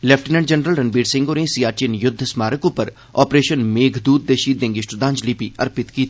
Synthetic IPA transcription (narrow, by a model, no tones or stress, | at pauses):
lɛːp̚ʰʈənɛ̃ɳɖd͡ʒənɾəlɾɐnbiːɖsɪ̃ŋɡoːɾẽːsiːaːɾʈiənjʊd̪ʱːsmaːɾəkʊ̃pəɾ | ɔːpɾeːʃənmeːɡʱd̪uːd̪̚d̪eːʃiːt̪d̪ẽːŋɡɪsʈʊd̪ãːnd͡ʒlipiɐ̰ɾpɪt̪kiːt̪ʰi